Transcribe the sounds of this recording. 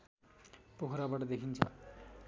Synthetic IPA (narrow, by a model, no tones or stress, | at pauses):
pokʰɾabaʈʌd̪ekʰint͡sʰʌ̰